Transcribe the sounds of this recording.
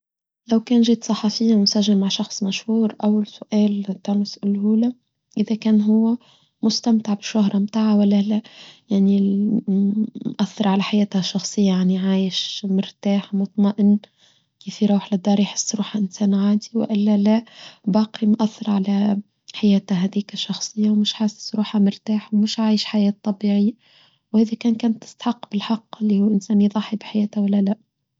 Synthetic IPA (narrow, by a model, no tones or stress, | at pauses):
læwkæːnʒiːt̪sˤɑħɑfɪjːamʊnsæʒːɪlmaʕʃɑxsˤmæʃhuːɾʔæwːalsʊʔæːlt̪æːnʊsɪlhuːlæ | ʔɪðækæːnɦʊwːæ | mʊst̪æmt̪aʕbɪʃːʊhɾˤɑmt̪aːʕawælːælæjaʕni | mʔæθːɑɾˤʕalæħajæːt̪hæʃɑxsˤɨjːajaʕniʕaːjɪʃmɪɾt̪aːħmʊt̪ˤmɑʔɪn | kiːfiɾˤuːħlɪd̪ːɑːɾˤjħɪ̥sːɾuːħaʔɪnsæːnʕaːd̪iwɪ̰ʔɪlːalabɑːqimʔaθːɪɾˤʕala | ħajæːt̪aɦæːd̪iːkʃːɑxsˤɨjːawmɪʃħasːɪ̥sɾuːħhamɪɾt̪aːħwmɪʃʕaːjɪʃħajaːt̪ˤːɑbiːʕɪjːa | whæːðikæːnkæːnt̪ːɪ̥st̪ḁħɑqːbɪlħɑqːɪlːihuːʔɪnsæːnjðˤɑħːibɪħajæːt̪hawalːalaʔ